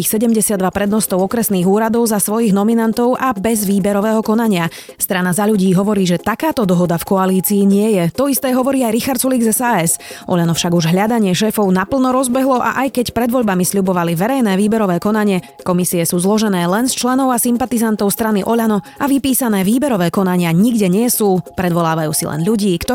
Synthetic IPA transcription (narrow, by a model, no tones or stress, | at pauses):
xsɛɟɛmɟɛsɪad̪ːʋapɾɛd̪nɔst̪ɔʊɔkɾɛsniːɣuːɾad̪ɔʊzasʋɔjiɣnɔminant̪ɔʊʔabɛzʋiːbɛɾɔʋɛːɦɔkɔn̪aɲɪa | st̪ɾanazaʎuɟiːɦɔʋɔɾiːʒɛt̪akaːt̪ɔd̪ɔɦɔd̪afkɔaliːt͡siːɲɪɛjɛt̪ɔist̪ɛːɦɔʋɔɾiːajɾixaɾt̪t͡suliɡzɛsaɛsʔɔ̰ʎanɔfʃaɡuʒɦʎad̪aɲɪɛʃɛːfɔʊnapl̩ˠnɔɾɔzbɛɦlɔʔa̰ʔajkɛcpɾɛd̪ʋɔʎbamisʎubɔʋaliʋɛɾɛjnɛːʋiːbɛɾɔʋɛːkɔnaɲɪɛ | kɔmisiɛsuːzlɔʒɛnɛːlɛnst͡ʃlɛnɔʊasimpat̪izant̪ɔʊst̪ɾaniʔɔʎanɔ | aʋipiːsanɛːʋiːbɛɾɔʋɛːkɔnaɲɪaɲiɡɟɛɲɪɛsuːpɾɛd̪ʋɔlaːʋajṵːsḭlɛ̰nʎuɟiːkt̪ɔ